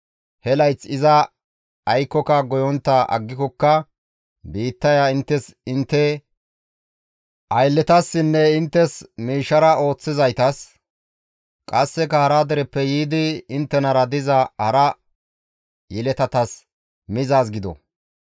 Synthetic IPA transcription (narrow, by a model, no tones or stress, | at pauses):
hɛlɐjt͡sːɪzɐː | jkːɔkɐɡɔjɔnt̪ːɐʔɐ̰ɡːɪkɔkːɐ | biːt̪ːɐjaɪnt̪ːɛsɪnt̪ːɛ | ʔɐjlːɛt̪ɐsːɪnːɛɪnt̪ːɛsmiːʃːɐɾɐo̞ːt͡sːɪzɐjt̪ɐs | kʼɐsːɛkɐhɐɾad̪ɛɾɛpːɛjiːd̪ɪɪnt̪ːɛnɐɾɐd̪ɪzɐhɐɾɐ | jɛlɛt̪ɐt̪ɐs | mɪzaːs̬ɡɪd̪ɔ̰